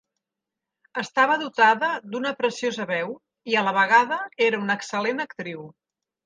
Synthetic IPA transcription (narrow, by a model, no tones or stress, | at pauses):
əst̪aβəðut̪aðəd̪unəpɾəsiozəβɛw | iələβəɣ̞aðəeɾəunəksəlenəkt̪ɾiw